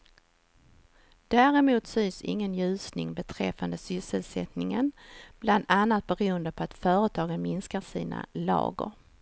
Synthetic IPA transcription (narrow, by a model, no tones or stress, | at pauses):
d̪̥æːɾɛmuːt̪synsɪ̰ŋːənjʉ̟ːsnɪŋbɛt̪ʰɾɛfːand̪əsʏsəlsɛt̪nɪŋənb̥land̪anːat̪̚bɛɾuːənd̪əpʰɔat̪fœːɾət̪ʰɑːɡənmɪnskaʂiːna̰lɑ̰ːɡə̰ɾ